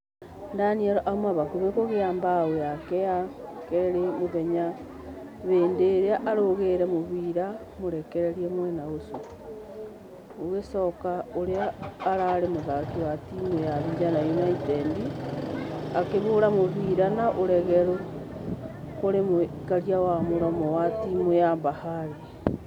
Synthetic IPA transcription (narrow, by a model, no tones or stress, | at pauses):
ndanieɾʔaumaβakuβekoɣeaːmbawojakejakeɾemoβeɲa | βeːndeːɾeaʔaɾoɣeɾemoβiɾa | moɾekeɾeɾiemwenaosu | oɣesokaoɾeaːɾaɾemoðakiwatimojaβiɾanajonaitendi | akeβoɾamoβiɾanaʔoɾɛɣeɾo | koɾemo | kaɾjawamoɾɔmɔwatimojambahaɾe